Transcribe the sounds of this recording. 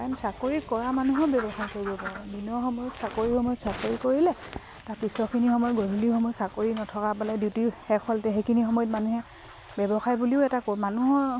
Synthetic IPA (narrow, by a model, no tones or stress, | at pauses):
ansakoɹikɔɹamanuɦɔbjɛbɔxajkoɹibɔpaɹɛbinɔxɔmɔjɔtsakoɹihɔmɔjɔtsakoɹikoɹilɛ | taɹpisɔkʰinixɔmɔjɔtɡodʱulixɔmɔjɔtsakoɹinɔtʰɔkapaladiwtihɛkɔltɛxejkʰinixɔmɔjɔtmanuɦɛ | bɛbɔxajbuliʊɛtakɔɹmanuɦɔ